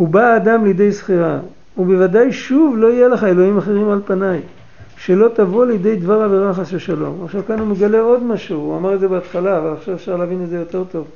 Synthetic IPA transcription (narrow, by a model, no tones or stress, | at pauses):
hubaːd̪amlejed̪e̞jsχiʁa | ube̞vad̪ajʃuvlo̞ijeleχae̞lo̞imaχe̞ʁimalpanaj | ʃe̞lo̞t̪avo̞lejd̪e̞jd̪vaʁaveʁaχaseʃalo̞̰maχʃavkanumeɡale̞o̞d̪maʃuuamaʁetzebeat̪χalaːvalaχʃavefʃaʁleavinetzejo̞t̪e̞ʁt̪o̞v